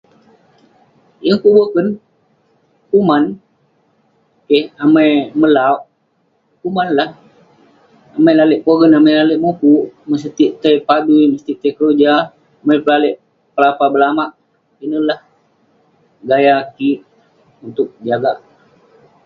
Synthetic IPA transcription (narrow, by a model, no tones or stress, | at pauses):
jəŋkuʔbəkən | kuman | kəhamajməlauʔ | kumanlah | amajlaləʔpoɡənamajlaləʔmupuʔməs̬ət̪iʔt̪əjpaduiməst̪iʔt̪əjkəlod͡ʒaː | majpəlaləʔ | pəlapabəlamaʔ | inəlah | ɡajakiʔ | unt̪ʊk̚d͡ʒaɡaʔ